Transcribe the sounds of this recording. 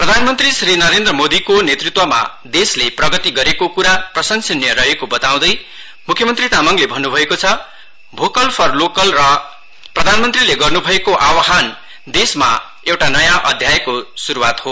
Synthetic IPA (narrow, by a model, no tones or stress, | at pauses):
prʌd̪ʱanmʌnt̪risrinʌɾend̪rʌmod̪ikonet̪rit̪wʌma̰ | d̪esleprʌɡʌt̪iɡʌɾekokuɾaprʌsʌnsʰinjʌɾʌɦekobʌt̪aw̃d̪ʌj | mukʰjʌmʌnt̪rit̪amʌŋlebʱʌnːubʱʌekot͡sʰʌ | bʱokʌlpʰʌrlokʌlrʌ | prʌd̪ʱanmʌnt̪rileɡʌrnubʱʌekoʔawaɦan | d̪esma̰ | ewʈanʌjãʔʌd̪ʱjajekosuɾuwat̪ɦo